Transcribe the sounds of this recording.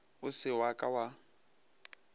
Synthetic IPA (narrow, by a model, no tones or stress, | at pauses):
ʊsɪwakʼawa